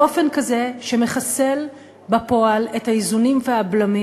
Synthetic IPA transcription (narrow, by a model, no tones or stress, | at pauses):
o̞fe̞nkaze̞ʃe̞me̞χase̞l | bapo̞alethaizunimveablami